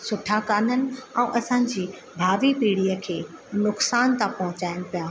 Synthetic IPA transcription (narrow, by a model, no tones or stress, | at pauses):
sʊʈʰakaːn̤ənɪ̆ɛ̃ːʔɐsãd͡ʑiː | bʱaːʋipiːɽijəkʰeːnʊksaːnt̪ãpɐɦʊ̃t͡ɕaːɪñʊpijaː